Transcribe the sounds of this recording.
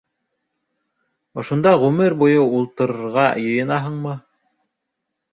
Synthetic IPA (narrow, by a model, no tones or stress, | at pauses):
ŏʃond̪ɑʁʉmɘɾbujɤulˠt̪ɤ̆ɾɤ̆ɾʁɑjɤ̆jɤ̆nɑɦɤɴmɤ